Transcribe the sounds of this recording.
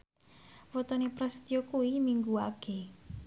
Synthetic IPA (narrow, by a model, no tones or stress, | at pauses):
wɔt̪ɔnepɾɛst̪ijɔkuwimiŋɡuaɡ̥e